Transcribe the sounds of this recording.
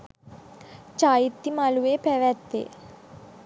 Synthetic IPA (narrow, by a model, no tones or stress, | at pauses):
t͡ʃaːjit̪ːimɐluʋeːpɛʋɛt̪ːḛː